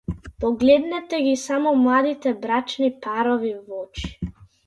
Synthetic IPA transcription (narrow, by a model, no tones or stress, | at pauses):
pɔɡlɛd̪nɛt̪ɛɡisamɔmlˠad̪it̪ɛbɾat͡ʃnipaɾɔvivɔt͡ʃi̥